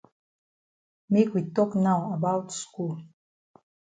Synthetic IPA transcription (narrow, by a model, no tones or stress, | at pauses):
mikʷit̪ʼokʼnawabawtsku